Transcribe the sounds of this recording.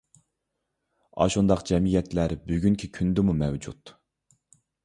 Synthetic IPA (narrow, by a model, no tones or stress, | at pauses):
ɑ̰ʃund̪ɑqd͡ʒɛmijɛt̪læɾbyɡʲyŋkʲʰikʲʰynd̪ɪmumɛwd͡ʒṵt̪